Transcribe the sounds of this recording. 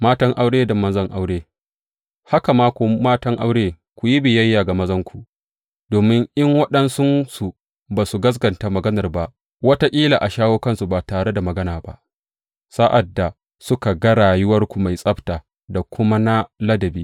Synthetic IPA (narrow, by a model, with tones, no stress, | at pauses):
maː˦tɐ˦ŋʔa˦wɽeː˦da˨mɐ˦nzɐ˦ŋʔa˦wɽeː˦ | ha˦ka˨maː˦kʷu˨maː˦tɐ˦ŋʔa˦wɽeː˦ | kʷu˨ji˦bɪ˨jɐ˦jːaː˨ɡa˨mɐ˦zɐ˦ŋkʷu˨ | doː˨mɪ˦ŋʔɪ˦ŋwɐ˦ɗɐ˦nsʊ˦nsu˨ | baː˨su˨ɡɐ˦s̬ɡɐ˨nta˨mɐ˨ɡɐ˦nɐ˨rba˦ʔ | wɐ˦ta˦kʲʼiː˦laː˨ʔa˨ʃaː˦woː˦kɐ˦nsu˨baː˨taː˨ɽe˦da˨mɐ˨ɡɐ˦naː˨ba̰˦ʔ | sa˦ʔa˨dːa˨ | sʊ˦ka˨ɡɐ˦ɽaː˨jʊ˦wɐ˦rkʷu˨ma˨jsʼɐ˦btaː˨ | da˨kʷʊ˦ma˦na˦lɐ˦dɐ˨biː˦